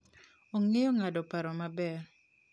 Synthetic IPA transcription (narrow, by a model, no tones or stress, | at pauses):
oŋejɔŋadɔpaɾɔmabɛr